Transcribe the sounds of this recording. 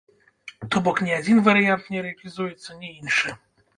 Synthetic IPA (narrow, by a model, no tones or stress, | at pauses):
t̪ɔbɔkɲʲɛad̪ʲinvaɾjant̪ɲɛɾɛalʲizujɛt̪sɔɲɛinʂɛ